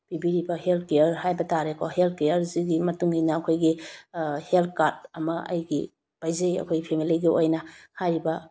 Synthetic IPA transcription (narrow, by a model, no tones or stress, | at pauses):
b̥ibiɾibɐhelt̚ʰkejɐɾhajbɐtaɾekʰohelt̚kejɐɾziɡimɐtuŋinɐːkʰojɡi | helt̚ʰkaɾdɐmɐɐ̰jɡi | b̥ajzejɐ̰kʰojɡipʰemiliɡiojnɐhajɾibɐ